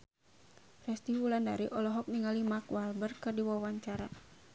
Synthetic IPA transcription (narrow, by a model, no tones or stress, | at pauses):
rɛst̪ifulandaɾiʔɔlɔɦɔk̚niŋalimakwalbərkɨrdiwawaɲt͡ʃaɾa